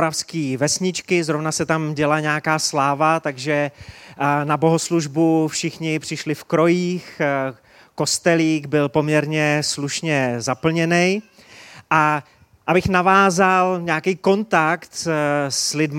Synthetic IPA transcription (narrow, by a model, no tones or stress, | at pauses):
ɾafskiːvɛsɲɪt͡ʃkɪzɾo̞vnasɛt̪amɟɛlaɲɛakaːslaːvat̪aɡʒɛ | nabo̞ɦosluʒbufʃɪxɲɪpr̝̥ɪʃlɪfkɾo̞jiːx | ko̞st̪ɛliːɡbɪlpo̞mɲɛɾɲɛsluʃɲɛzapl̩ɲɛnɛj | ʔa | ʔabɪxnavaːzalɲɛakijko̞nt̪akt̪slɪdm